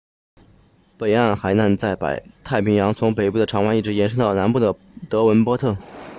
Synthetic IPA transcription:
pe˨˩ɪa˥˩nxa˨˧˥ɪna˥˧nt͡sa˥˩ɪpa̰˨˩ɪt̪ʰa˥˩ɪpʰi˧˥ŋjɑ˧˥ŋt͡sʰʊ˧˥ŋpe˨˩ɪpu˥˩d̪ə˩ʈ͡ʂʰɑ˧˥ŋwa˧˥ni˥˩ʈ͡ʂɻ̩˧˥jɛ˧˥nʂɤ˥ŋt̪ɑ˥˩ʊna˧˥npu˥˩d̪ə˩ | t̪ɤ˧˥wə˧˥npwɔ˥t̪ʰɤ˥˩

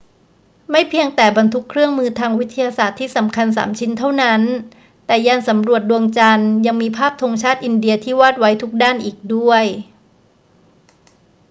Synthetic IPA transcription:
ma˥˩jpʰi˧əŋt̪ɛː˨˩ba˧nt̪ʰu˦˥kʰɾɯ˥˩əŋmɯː˧t̪ʰaː˧ŋwi˦˥t̪ʰːa˧jaː˧saː˨˩t̪ʰːiː˥˩sa˩˦mkʰa˧ns̬a̰ː˩˦mt͡ɕʰi˦˥nt̪ʰa˥˩wna˦˥n | t̪ɛː˨˩jaː˧nsa˩˦mɾu˨˩ət̪̚du˧əŋt͡ɕa˧nja˧ŋmiː˧pʰaː˥˩p̚t̪ʰo˧ŋt͡ɕʰaː˥˩t̪̚ʔi˧ndi˧ɐt̪ʰiː˥˩waː˥˩t̪̚wa˦˥jt̪ʰu˦˥k̚daː˥˩nʔiː˨˩k̚du˥˩əj

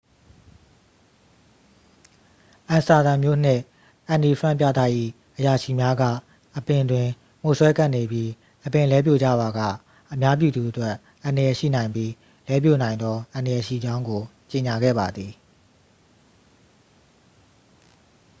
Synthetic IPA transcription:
ʔã˨sa˨d̪ã˨mjo̰˦˨n̥ɪ̰̃˦˨ | ʔã˨ndi˨pʰɹã̰˦˨mp̬jä̰˦˨t̪ä̰˦˨ʔḭ˦˨ | ʔəja˨ʃi˦˨mja˦ɡä̰˦˨ | ʔəpɪ̃˨dwɪ̃˨ | m̥o˨swɛ˦ka˦˨ne˨bji˦ | ʔəpɪ̃˨lɛ˦p̬jo̰˦˨d͡ʑa̰˦˨ba˨ɡä̰˦˨ | ʔəmja˦p̬jṵ˦˨d̪u˨ʔətwɛ˦ | ʔã˨ndə˨jɛ˨ʃḭ˦˨nã˨ɪ̃mbji˦ | lɛ˦p̬jo̰˦˨nã˨ɪ̃nd̪ɔ˦ʔã˨ndəjɛ˨ʃḭ˦˨d͡ʑã˦ʊ̃ŋɡo˨ | t͡ɕe˨ɲa˨ɡɛ̰˦˨ba˨d̪ði˨

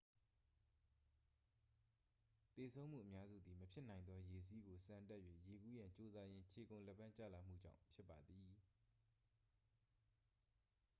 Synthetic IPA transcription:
t̪e˨sʰõ˦ʊ̃m̥ṵ˦˨ʔəmja˦zṵ˦˨d̪i˨məpʰjɪ˦ʔnã˨ɪ̃nd̪ɔ˦je˨sʰi˦ɡo˨sã˨nta˦ʔjɥwḛ˦˨je˨ɡu˦jã˨ɲt͡ɕo˦za˦jɪ̃˦t͡ɕʰe˨kõ˨lɛ˦˨pʰã˦˨t͡ɕä̰˦˨la˨m̥ṵ˦˨d͡ʑã̰˦˨ʊ̃mpʰjɪ˦pːa˨d̪ði˨

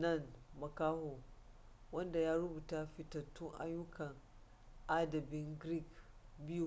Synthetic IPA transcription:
nɐ˦˨nmɐ˨kaː˦ho˨ | wɐ˦nda˨jaː˦ɾʊ˦buː˨ta˦ɸɪ˨tɐ˨tːʊ˦ŋʔa̰˦jːʊ˦kɐ˨ŋ | ʔa˦dɐ˨bɪ˦ŋɡɾi˦˨kbɪ˦ju˨

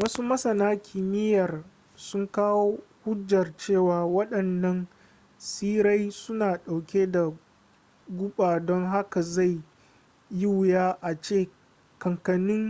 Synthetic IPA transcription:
wɐ˦su˦mɐ˦sɐ˨naː˦kʲʰɪ˨mɪ˦jɐ˨r | sʊ˦ŋkaː˦woː˦hʊ˦d͡ʒːɐ˨rt͡ʃeː˦˨waː˨wɐ˦ɗɐ˨nːɐ˦n | siː˦ɾa˦jsʊ˦naː˨ɗa˨wkʲe˦da˨ | ɡʷʊ˦ɓaː˨dɔ˦ŋɦa˦ka˨za˦˨j | ji˦wʊ˨jaː˦ʔa˨t͡ʃeː˦˨ | kɐ˨ŋkɐ˨nɪ˦ŋ

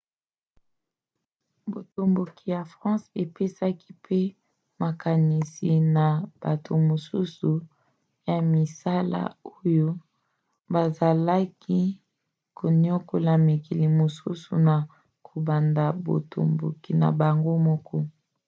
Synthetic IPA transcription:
bo˨to˨mbo˨kʰi˨ja˨fʁɑ̃˦se˨pe˦sa˦ki̥˦pʰe˦ | ma˨ka˨ni˨si˨na˨b̥a˨tʰo˨mo˨su˦su˨ | ja˨mi˨sa˦la̰˦o˦jo˦ | ba˨za˨la˦ki˦ | ko˨ni˦o˦ko˨la˨mi˨ki˨li˨mo˨su˦sṵ˨na˨ | kʰo˨ba˨nda˨bo̰˨tʰo̰˨mbo̰˨ki˨na̰˨ba˨ŋɡo˦mɔ˦kʰɔ˦

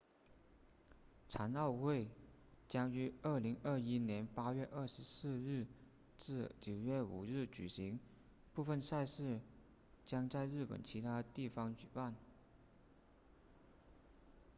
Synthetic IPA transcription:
t͡sʰa˧˥nɑ˥˧ʊxwe˥˩ɪt͡ɕjɑ˥ŋy˧˥ə˞˥˩li˧˥ŋə˥˩i˥njɛ˧˥npa˥ɥɛ˥˧ʔə˞˥˩ʂɻ̩˧˥sɹ̩˥˧ɻɻ̩˥˩ | t͡sɻ̩˥˩t͡ɕjo˨˩ʊɥɛ˥˩ṵ˨˩ɻɻ̩˥˩t͡ɕy̰˨˩ɕi˧˥ŋ | pu˥˧fə˥˧nsa˥˧ɪʂɻ̩˥˩ | t͡ɕjɑ˥ŋt͡sa˥˧ɪɻɻ̩˥˩pə̰˨˩nt͡ɕʰi˧˥t̪ʰa˥t̪i˥˩fɑ˧˥ŋt͡ɕy˨˩pa˥˩n

